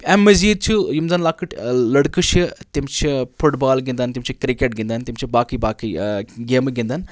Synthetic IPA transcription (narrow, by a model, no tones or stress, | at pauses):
ɛmːɐziːd̪̚t͡ʃʰujimzanlaːkɨʈlɐɽkɨʃit̪imt͡ʃʰifuʈbaːlɡĩnd̪ant̪imt͡ʃʰikɾikeʈ̚ɡind̪ant̪imt͡ʃʰibaːkibaːkiɡeːmɡind̪an